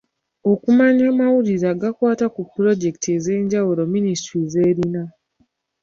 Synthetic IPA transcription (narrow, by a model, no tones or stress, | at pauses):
o̞kumaɲaːmawuɾiɾaːɡakwaːtakupɾo̞ɟe̞ki̥tiezeːɲɟawuɾo̞ministɾize̞ːɾina